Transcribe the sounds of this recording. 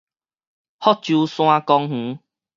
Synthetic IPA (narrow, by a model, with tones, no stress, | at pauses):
hɔ˦˥k̚t͡ɕju˧sw̃ã˦kɔ˧ŋh̩˨˦